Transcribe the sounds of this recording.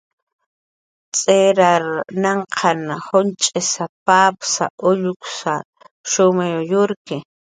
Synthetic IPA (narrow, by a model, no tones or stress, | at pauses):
t͡sʼeɾaɾnaɴqʰɑnhʊnt͡ʃʼɪsapapsa̰ʔʊʎʊksa | ʃʊmajʊjʊɾkɪ